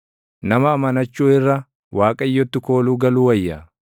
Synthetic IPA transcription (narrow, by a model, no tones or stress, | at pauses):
nɐmɐːmɐnɐt͡ʃːuːɪrːɐ | waːkʼɐjːɔt̪ːɪko̞ːluːɡɐluːwɐjːa